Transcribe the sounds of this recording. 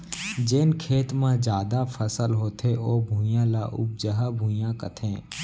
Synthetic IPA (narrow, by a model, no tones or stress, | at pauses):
d͡ʒenkʰeːt̪mãd͡ʒjaːd̪apʰəsəlɦoːt̪ʰeʔoːbʱũːjãːla̰ːʔʊ̰b̚d͡ʒəɦabʱũːjãkə̰t̪ʰẽː